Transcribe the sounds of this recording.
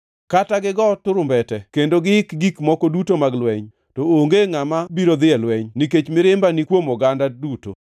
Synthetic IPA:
kataɡɪɡɔtʊɾʊmbɛtɛkendoɡɪɪkɡikmɔkodutomaɡlwɛɲ | tooŋɡeŋamabiɾod̪ɪɛlwɛɲniket͡ʃmɪɾɪmbanikwomɔɡandaduto̰

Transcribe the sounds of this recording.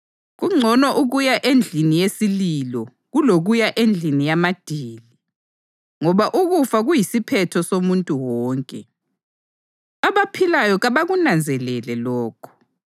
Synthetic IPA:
ɣuŋ͡ǀʱɔnɔʔuɣujaʔend͡ɮʱinijesililɔ | ɣuloɣujaʔend͡ɮʱinijamad̥ʱiːli | ŋɔβaʔuɣufaɣujisipʰɛtʰɔsomuntʼuwɔːŋkʼɛ | aβapʰilajɔɣaβaɣunand͡zʱɛlɛlɛlɔːkʰɔ̥

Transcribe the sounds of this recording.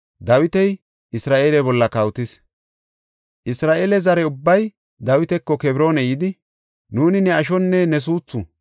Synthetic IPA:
d̪ɐwɪt̪ɛj | ɪsɾaːʔeːlɛbɔlːɐkɐwt̪ɪs | ʔɪsɾaːʔeːlɛzɐɾɛʊbːɐj | d̪ɐwɪt̪ɛkːɔkɛbɾo̞ːnɛjɪd̪ɪ | nuːnɪnɛɐʃ̬ɔnːɛnɛs̬uːt͡sːʊ

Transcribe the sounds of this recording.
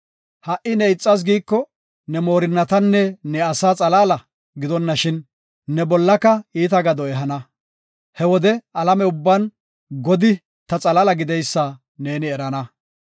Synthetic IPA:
hɐʔɪnɛɪt͡sʼːɐs̬ɡiːkːɔ | nɛmo̞ːɾɪnːɐt̪ɐnːɛnɛɐsaːt͡sʼɐlaːlɐ | ɡɪd̪ɔnːɐʃɪnː | ɛbɔlːɐkːɐiːt̪ɐɡɐd̪ɔɛɦɐnɐ | hɛwɔd̪ɛɐlɐmɛʊbːan | ɡɔd̪ɪ | t̪ɐt͡sʼɐlalɐɡɪd̪ɛjsːa | ne̞ːnɪɛɾɐnɐ

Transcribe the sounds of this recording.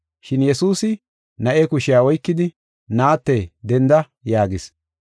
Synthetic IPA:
ʃɪnjɛsuːsɪ | nɐʔɛkʊʃɪjaːɔjkːɪd̪ɪ | naːt̪ːɛd̪ɛnd̪ɐ | jaːɡɪs

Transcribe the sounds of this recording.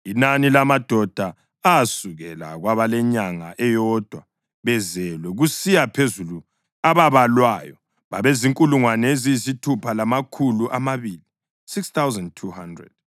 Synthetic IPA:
inanilamad̥ʱɔd̥ʱa | aːsuɣɛla̰ɣwaβalɛɲaŋa̰ʔɛjɔd̥ʱwa | βɛzɛlwɛɣusijapʰezulu | aβaβalwaːjɔ | βa̰βeziŋkʼuluŋwaneziisitʰupʰalamakʰuluʔamaβili | sikst̪ʰawzandtʰuhandrɛ̰d̥

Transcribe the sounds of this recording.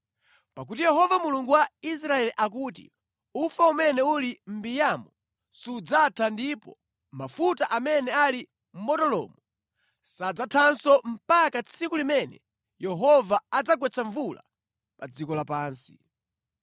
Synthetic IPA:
pak̬utijɛɦɔvamuluŋɡuwais̬ɾaɛliʔak̬uːt̬ḭ | ufaumɛnɛulim̩bijamɔ | suːd͡zatʰandipɔ | mafutaʔamɛnɛali | m̩mɔtɔlɔ̰ːmu | sad͡zatʰansɔm̩pakat͡sʰikulimɛnɛ̰ | jɛɦɔvaad͡zakwɛt͡sʰaɱvula̰ | pad͡zikɔlapaːnsi̥

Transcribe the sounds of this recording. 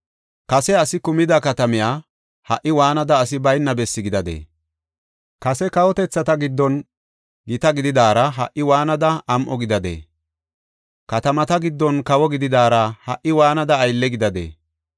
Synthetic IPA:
kɐsɛɐsɪkʊmɪd̪ɐkɐt̪ɐmɪjaː | hɐ̰ʔːɪwaːnɐd̪ɐːs̬ɪbɐjnːɐbɛsːɪɡɪd̪ɐd̪ḛː | kɐsɛkɐwɔt̪ɛt͡sːɐt̪ɐɡɪd̪ːɔn | ɡɪt̪ɐɡɪd̪ɪd̪aːɾɐɦɐ̰ʔːɪwaːnɐd̪ɐɐmʔɔɡɪd̪ɐd̪ḛː | kɐt̪ɐmɐt̪ɐɡɪd̪ːɔnkɐwɔɡɪd̪ɪd̪aːɾɐhɐʔɪwaːnɐd̪ɐːjlːɛɡɪd̪ɐd̪ḛː

